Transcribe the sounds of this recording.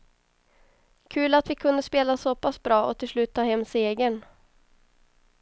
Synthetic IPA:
kʰʉ̟ːlat̪vɪkʰɵnd̪əspeːlasoːpasbɾɑːʔɔt̪ʰɪlslʉ̟ːt̪ʰːɑːhɛmːseːɡəɳ

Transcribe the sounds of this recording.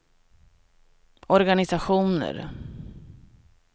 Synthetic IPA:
ɔɾɡanɪsaɧuːnə̰ɾ

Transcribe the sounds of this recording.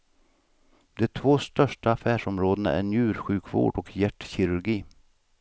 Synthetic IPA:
d̪ɛt̪ʰvoːst̪œʂʈaːfæːʂɔmɾoːd̪ən̰æ̰ɳjʉ̟ːɾɧʉ̟ːkʰvo̰ːɖɔkʰjæʈːçɪɾɵɾɡiː

